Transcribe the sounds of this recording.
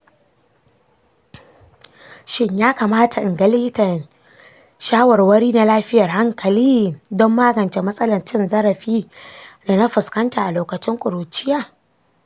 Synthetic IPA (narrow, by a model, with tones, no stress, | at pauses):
ʃɪ˦ɲjaː˦kaː˨maː˦ta˨ʔɪ˨ŋɡɐ˦liː˦tɐ˨ | ʃaː˦wɐ˨rwɐ˦ɽiː˦na˦laː˦ɸɪ˦jɐ˨rha˦ŋkɐ˨liː˦dɔ˦mːaː˦ɡɐ˨nt͡ʃe˨mɐ˦sʼɐ˦lɐ˨nt͡ʃɪ˦nzɐ˦ɾɐ˨ɸiː˦da˨na˦ɸɪ˨skɐ˦ntaː˨ʔa˨loː˨kɐ˨t͡ʃɪ˦ŋkʷʼʊ˨ɾuː˨t͡ʃɪ˦jaː˦˨